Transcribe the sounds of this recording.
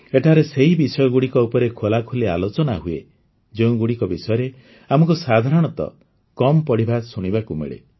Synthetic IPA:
eʈʰaɾeseɦibisɔjɔɡuɽikɔupɔɾekʰolakʰulea̰lot͡ʃɔnaɦuḛ | d͡ʒeũɡuɽikɔbisɔjɔɾe | amɔŋkusad̪ʱaɾɔɽ̃ɔt̪ɔ̰ | kɔmɔpɔɽibʱasuɽ̃ibakumḛɭḛ

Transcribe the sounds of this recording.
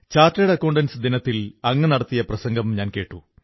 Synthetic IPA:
t͡ɕaːrtːɐjɽɐɐkːoːɳɖɐnsɨd̪inɐt̪ːilɐŋːɐnɐɽɐt̪ːijɐprɐsɐŋɡɐmɲaːnke̞ːʈːu

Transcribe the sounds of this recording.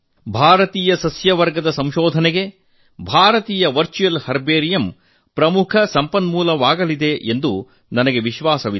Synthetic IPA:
bʱaːɾɐt̪iːjɐsɐsjɐʋɐɾɡɐd̪ɐsɐmʃoːd̪ʱɐneɡe̞ | bʱaːɾɐt̪iːjɐʋɐɾt͡ʃujɐlhɐɾbeːɾijɐm | pɾɐmukʰɐsɐmpɐnmuːlɐʋaːɡɐlid̪e̞ʔend̪u | nɐnɐɡe̞ʋiʃʋaːsɐʋi

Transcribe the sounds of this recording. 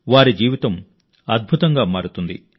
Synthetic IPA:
ʋaːɾid͡ʒiːʋit̪ɐm | ɐd̪̚bʱut̪ɐŋɡaːmaːɾut̪und̪ḭ

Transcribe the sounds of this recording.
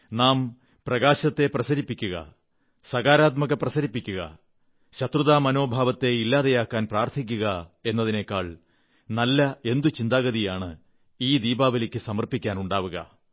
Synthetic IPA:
naːm | prɐɣaːɕɐt̪ːe̞prɐsɐɾipːikʲːuɣɐ̰ | sɐɣaːɾaːt̪̬mɐɣɐprɐsɐɾipːikʲːuɣɐ̰ | ɕɐt̪ruðaːmɐno̞ːbʱaːʋɐt̪ːe̞ilːaːðejaːkːaːnpraːrt̪ʰik̬ʲːuɣɐe̞nːɐðine̞kːaːɭ | nɐlːɐe̞nd̪ut͡ɕind̪aːɣɐðijaːɳɨ | iːd̪iːbaːbɐlikʲːɨsɐmɐrpikʲːaːnuɳɖaːʋuɣɐ̰

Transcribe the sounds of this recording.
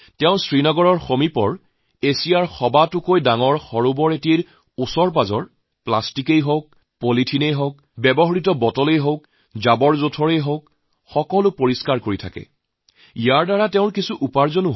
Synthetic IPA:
tɛʊ̃sɹinɔɡɔɹɔɹxomipɔɹ | esijaɹxɔbatʊkojdaŋɔɹxɔɹʊbɔɹetieɹ | usɔɹp̬azɔɹ | plastikejɦok̚ | politʰinejɦok̚ | bɛbɔɦɔɹitɔbɔtɔlejɦok | zabɔɹzotʰɔɹejɦok | xɔkɔlʊpoɹiskaɹkoɹitʰakɛ̰ | ijaɹdaɹatɛʊ̃ɹkisuʔupaɹzɔnʊ

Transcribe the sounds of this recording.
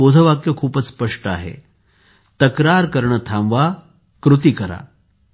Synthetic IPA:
od̪ʱəʋakjəkʰuːpət͡sspəʂʈəa̰ɦḛ | t̪əkɾaɾkəɾɳət̪ʰãmʋa | kɾut̪̬ikəɾa̰

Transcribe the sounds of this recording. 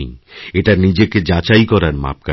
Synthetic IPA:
ŋeʈaɾnid͡ʑeked͡ʑat͡ɕajkɔɾaɾma̰p̚ka

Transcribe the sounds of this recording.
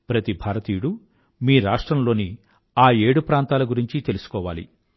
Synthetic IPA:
pɾɐt̪ibʱaːɾɐt̪iːuɽu | miːɾaːʂʈɾɐmlo̞ːni | aːe̞ːɽupɾaːnt̪aːlɐɡuɾiɲt͡ʃit̪e̞lusu̥kɔːʋaːlḭ

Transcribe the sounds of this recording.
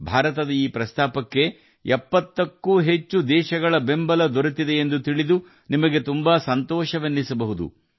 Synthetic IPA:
bʱaːɾɐt̪ɐd̪ɐiːpɾɐst̪aːpɐkːe̞ | ɛpːɐt̪ːɐkːuːɦe̞t͡ʃːud̪ɛːʃɐɡɐɭɐbe̞mbɐlɐd̪oɾut̪ːid̪e̞ːnd̪ut̪iɭid̪u | nimɐɡe̞t̪umbaːsɐnt̪ɔːʃɐʋenːisɐbɐɦud̪ṵ

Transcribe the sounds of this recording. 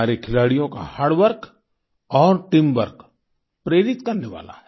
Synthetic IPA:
aːɾekʰɪlaːɽijõka̰haːɽʋəɾk | ɔːɾʈɪmʋəɾk | pɾeːɾɪt̪kɐɾneʋa̰ːla̰ɦɛ

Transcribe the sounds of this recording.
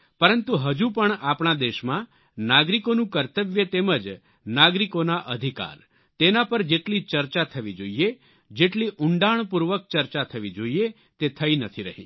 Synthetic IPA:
pəɾənt̪uɦəd͡ʒũpəɳapɳ̃ad̪eʃmã | naɡɾikonũkəɾt̪əʋjət̪eməd͡ʒ | naɡɾikonaʔəd̪ʱika̰ɾ | t̪enapəɾd͡ʒeʈlit͡ʃəɾt͡ʃat̪ʰəʋid͡ʒoie | d͡ʒeʈliʔʊɳɖaɳpuɾʋək̚t͡ʃəɾt͡ʃat̪ʰəʋid͡ʒoie | t̪et̪ʰəinət̪ʰiɾəɦḭ

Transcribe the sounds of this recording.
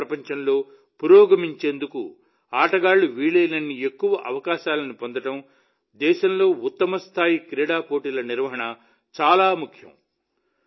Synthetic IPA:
ɾɐpɐɲt͡ʃɐmlo̞ː | puɾɔːɡɐmiɲt͡ʃe̞ːnd̪uku | aːʈɐɡaːɭuʋiːɭejnɐnːiekːuʋɐʔɐʋɐkaːʃaːlɐnipo̞nd̪ɐʈɐm | d̪ɛːʃɐmlo̞ːut̪ːɐmɐst̪ʰaːjikɾɛːɽaːpoːʈiːlɐniɾʋɐɦɐɳɐ | t͡ʃaːlaːmukʰjɐ̰m

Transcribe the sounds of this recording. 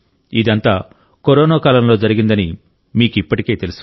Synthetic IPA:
id̪ɐnt̪aː | koɾɔːnaːkaːlɐmlo̞ːd͡ʒɐɾiɡind̪ɐni | miːkuipːɐʈike̞ːt̪e̞lus

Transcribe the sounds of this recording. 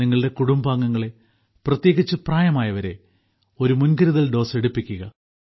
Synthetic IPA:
iŋːɐɭɨɽe̞kuɽumbaːŋːɐŋːɐɭe̞ | prɐt̪je̞ːɣit͡ɕːɨpraːjɐmaːjɐʋɐɾe̞ | o̞ɾumunɡɐɾuðɐlɖo̞ːse̞ɽupːikʲːuɣɐ

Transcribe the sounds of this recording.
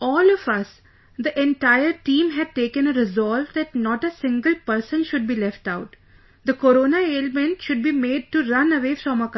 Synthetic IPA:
ɔːlɔʋʌs | d̪iʔɛ̃ɳʈaɪəɾʈĩːmɦæɖ̚ʈeːkə̃nəɾɪzɔːlʋd̪æʈnɔːʈəsɪ̃ŋɡəlpəɾsə̃nʃʊɖ̚biːlɛfʈaʊʈ | d̪əkoɾoːnaeːlmɛ̃nʈʃʊɖ̚biːmeːɖ̚ʈuɾʌ̃nəʋeːfɾɔ̃mək

